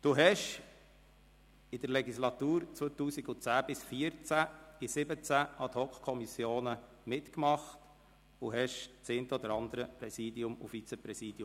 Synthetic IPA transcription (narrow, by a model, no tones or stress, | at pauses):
d̥̪uɦɛʃ | ɪd̪əɾlɛɡislɑt̪uːɾt͡sʋoət̪uːsiɡʊt͡sæːb̥ɪsfiəɾt͡sæɪsɪbət͡sæʔɑt̪hɔkχkʰɔmisjoːnə | mɪt̪kmɑχt | ʊɦɛʃt͡sent̪əɔd̪əɾɑnd̪əɾəpɾɛsiːd̪iʊmʊ̰fit͡sɛpɾɛsiːd̥̪i